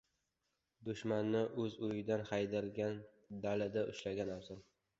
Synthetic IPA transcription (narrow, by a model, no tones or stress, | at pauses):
d̪ʊʃmanːɪʔɵzʊjɪd̪anχajd̪alɡʲan | d̪alɪd̪aʔʊʃlaɡʲanawzɒn